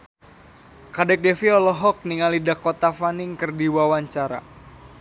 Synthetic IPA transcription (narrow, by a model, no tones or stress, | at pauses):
kadɛk̚dɛfiɔlɔɦɔk̚niŋalidakot̪afaniŋkərdiwawaɲt͡ʃaɾa̰